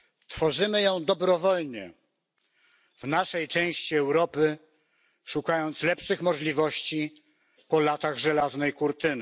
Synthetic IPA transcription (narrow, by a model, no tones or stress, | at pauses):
t̪fɔʐɘmɘjɔ̃w̃d̪ɔbɾɔvɔlɲɛ̰ | vnaʂɛjt͡ʂɛ̃w̃ɕt͡ɕiɛwɾɔpɘ | ʂukajɔnt̪slɛpʂɘxmɔʐlʲivɔɕt͡ɕi | pɔlat̪aɣʐɛlaznɛjkuɾt̪ɘnɘ